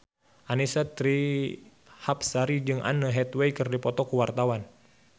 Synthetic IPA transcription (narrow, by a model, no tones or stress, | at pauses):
ʔanisat̪ɾi | hapsaɾid͡ʒɨŋʔa̰nəɦɛt̪weikɨrdipɔt̪ɔkuwart̪awan